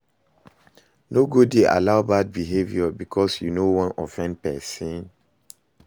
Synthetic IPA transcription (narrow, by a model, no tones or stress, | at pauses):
noɡudeʔa̰laʊbad̚biɦevjɔbikʰɔsjunowɔ̃nɔfɛ̃nd̚pɛsɔ̃n